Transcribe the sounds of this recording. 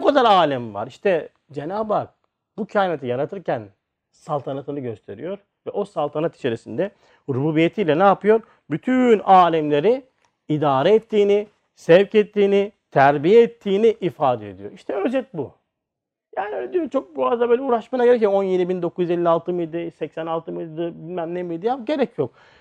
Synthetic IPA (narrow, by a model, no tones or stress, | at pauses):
bukʰad̪aɾaːlʲɛmva̰ɾiʃt̪ʰɛ | d͡ʒenaːbak̚ | bucʰaːjnat̪ʰijaɾat̪ʰɯɾcʰæn | salˠt̪ʰanat̪ʰɯnˠɯɟø̞st̪ʰe̞ɾijo̞ɾ | vɛʔo̞salˠt̪ʰanat̪ʰi̥t͡ʃʰeɾesind̪ɛ | ɾubuːbijet̪ʰijlʲɛnaːpʰɯjo̞ɾ | byt̪ʰynaːlʲɛmlʲe̞ɾi | id̪aːɾɛɛt̪ʰːiːni | sɛvcɛt̪ʰːiːnit̪ʰæɾbijɛːt̪ʰːiːniʔifaːd̪ɛed̪ijo̞ɾiʃt̪ʰɛød͡ʒɛt̪̚bu | jaːniølʲed̪ijot͡ʃʰo̞k̚buazd̪abøːlʲɛuːɾaʃmanaɟeɾɛc̬joo̞njed̪ibind̪o̞kʰuzjyze̞lʲːialˠt̪ʰɯmɯjd̪ɯsɛcsɛnalˠt̪ʰɯmɯjd̪ɯbilʲmæmnemijd̪ijapɟe̞ɾɛcʰjo̞k̚